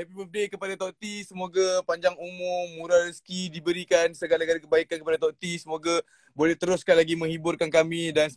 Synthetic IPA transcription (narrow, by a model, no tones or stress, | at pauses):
apiɛfdekəpadat̪oʔt̪isəmoɡapaɲd͡ʒaŋumʊmːuɾarəskidibəɾikansəɡalaɡalakəbaikankəpadat̪oʔt̪isəmoɡa | bolɛht̪əɾʊskanlaɡimə̃ŋhibʊrkankamĩdan